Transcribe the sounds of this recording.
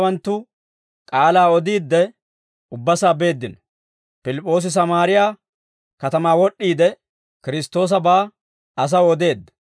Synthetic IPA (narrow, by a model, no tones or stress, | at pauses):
wɐnt̪ːʊ | kʼaːlaːɔd̪iːd̪ːɛ | ʊbːɐsaːbe̞ːd̪ːɪnɔ | pɪlɪpʼːo̞ːs̬ɪs̬ɐmaːɾɪjaː | kɐt̪ɐmaːwɔɗːiːd̪ɛ | kɪɾɪst̪ːo̞ːs̬ɐbaː | ɐs̬ɐwɔd̪e̞ːd̪ːɐ